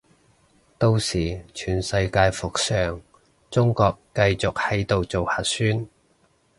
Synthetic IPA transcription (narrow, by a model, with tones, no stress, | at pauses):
t̪o˧wsiː˨˩t͡ʃʰyː˨˩nsɐ˧jkaː˧jfʊ˨k̚sœː˨˩ŋ | t͡sʊ˥ŋkɔː˧kːɐ˧jt͡sʊ˨k̚hɐ˨˥jt̪o˨wt͡so˨whaː˨˩t̚syː˥n